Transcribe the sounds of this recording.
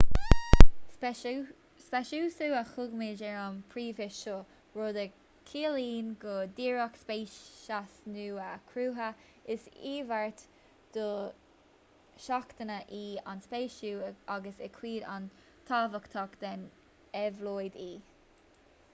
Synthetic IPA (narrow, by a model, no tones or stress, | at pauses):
spɛʃuːsuːaxʊɡmed͡ʒɛɹɔmpʰɹiːvɪʃʃɔ | ɹod̪ə | kʰiːliːnɡɔd̪iːɹɔkspeːʃasnuːakʰɾuːɦə | ɪsiːvaɹt̪ | d̪̥ɔ | ʃakt̪ənəʔiːa̰nspeːʃuːaɡəsəkʰwiːd̪a̰n | t̪ʰavəkt̪ʰɔkd̪ɛn | ɛvloːjd̪iː